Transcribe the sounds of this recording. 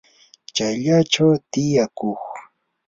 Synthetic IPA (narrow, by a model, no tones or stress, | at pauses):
t͡ʃajʎat͡ʃawt̪ɪjakox